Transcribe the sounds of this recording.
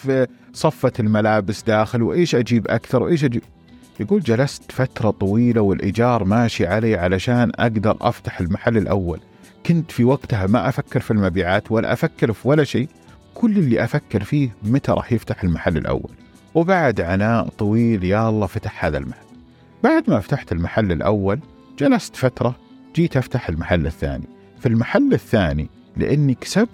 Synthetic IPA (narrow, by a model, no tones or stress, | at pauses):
fsˤɑfːɑt̪ɪlmalaːbɪsd̪aːxɪlwʔeːʃʔad͡ʒiːbʔa̰kθɑɾˤwʔeːʃʔad͡ʒiːb̚ | jaɡuːld͡ʒalast̪fat̪ɾˤɑt̪ˤɑwiːlawɪlʔɪ̰d͡ʒɑːɾˤmaːʃiʕaleːʕalaʃaːnʔa̰ɡd̪ɑɾˤʔa̰ft̪ḁħɪlmaħalːɪlʔawːa̰l | kʊnt̪fiwaɡt̪hamaʔafakːɪɾfilmabiːʕaːt̪wala̰ʔafakːɪɾfiwalːaʃeː | kʰʊlːɪlːiʔafakːɪɾfiːmat̪aɾˤɑ̰ːħjɪft̪aħɪlmaħalːɪ̰lʔa̰wːa̰l | wbaʕd̪ʕanaːʔt̪ˤɑwiːljaʔɑlˤːɑːfat̪ḁħhaːða̰lmaħalː | baʕd̪maft̪aħt̪ɪlmaħalːɪlʔa̰wːal | d͡ʒalast̪fat̪ɾˤɑ | d͡ʒiːt̪ʔaft̪aħɪlmaħalːɪθːa̰ːnḭ | filmaħalːɪθːaːni | lɪ̰ʔɪnːiksab